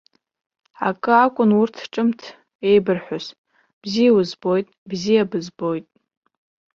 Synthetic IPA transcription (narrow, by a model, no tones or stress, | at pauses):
akʼɨakʷʼʊnurtʰʈ͡ʂʼɨmtʰ | e̞jbɨrħʷᶣʊs | b̥zijawʊzbo̞jtʼbzijabɨzbo̞jtʼ